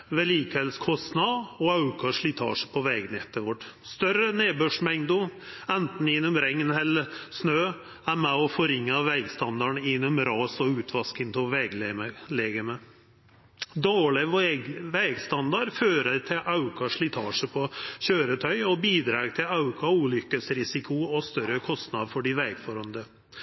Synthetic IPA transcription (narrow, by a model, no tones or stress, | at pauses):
ʋɛliːkɛlskʰɔst̪nɑɔɑʉkɑʂɭɪt̪ʰɑ̰ːʂəpʰɔʋɛɡnɛt̪ːəʋɔʈːst̪œɾəneːbœʂmɛŋd̪ʊɛnt̪n̩ɪnːɔmɾɛŋnhɛləsnøː | æɾmæɔfɔɾɪŋːəʋɛɡst̪ɑnd̪ɑɳɪnːɔmɾɑːsɔʉːt̪ʰʋɑskəŋt̪ʰɔʋɛɡ̪leːɡəmə | d̪oːɭɪʋɛɡst̪ɑnd̪ɑɾføːɾət̪ʰɪlʔɑʉkʰɑʂɭɪt̪ʰɑːʂəpʰɔɕøːɾət̪ʰœʏɔbiːd̪ɾɑːɡt̪ʰɪlɑʉkʰɑuːlʏkːəsɾɪsɪkʰʊɔst̪œɾəkʰɔst̪nɑd̪fɔɖɪʋɛɪɡfɔɾɔnd̪ə